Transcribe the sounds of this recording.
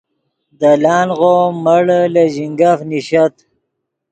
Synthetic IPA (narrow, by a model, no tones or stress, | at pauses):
d̪əlɑːnɣoməɽlaʑiŋɡafniɕɐt̪